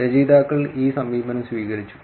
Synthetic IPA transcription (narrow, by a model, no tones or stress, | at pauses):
ɾɐd͡ʑiːd̪aːkːɐɭiːsɐmːiːbɐnɐmsʋiːɣɐɾit͡ɕːu̥